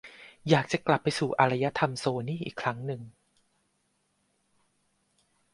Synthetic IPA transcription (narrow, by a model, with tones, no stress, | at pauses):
jaː˨˩k̚t͡ɕa˨˩kla˨˩pːa˧jsuː˨˩ʔa˧ɾa˧ja˦˥t̪ʰa˧msoː˧niː˥˩˨ʔḭː˨˩kʰɾa˦˥ŋnɯ˨˩ŋ